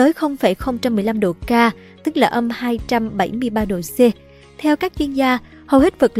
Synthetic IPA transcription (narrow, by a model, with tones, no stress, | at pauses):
əː˨˦jxə˧wŋ͡mfa˧˩jxə˧wŋ͡mt͡ɕa˧mːɨ˨˩əjla˧mɗo˧˩kaː˧ | t̪ɨ˦˥k̚laː˨˩ʔə˧mhaː˧jt͡ɕa˧mɓa˧˩jmɨ˧əjɓaː˧ɗo̰˧˩se˧ | t̪ʰɛ˧wkaː˦˥k̚t͡ɕwi˧ənzaː˧ | hə˨˩wɦi˦˥t̚və˨˩k̚